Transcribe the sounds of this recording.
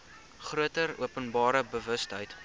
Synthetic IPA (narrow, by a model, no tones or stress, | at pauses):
χruətəruəpənbɑːɾəbəvəstɦəjt